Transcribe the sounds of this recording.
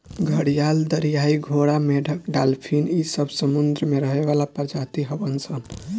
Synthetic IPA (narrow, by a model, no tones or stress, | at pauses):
ɡʱəɽijald̪əɾijaiɡʱoɽameɖʱəkɖalpʰinisəbsəmund̪ɾəmeɾəɦeβalapəɾd͡ʒat̪iɦəbənsʰən